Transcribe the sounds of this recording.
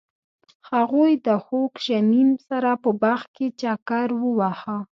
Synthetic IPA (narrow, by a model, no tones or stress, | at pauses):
haɣojd̪əxokʒanimsaɾapəbaxket͡ʃakaɾwəwaxa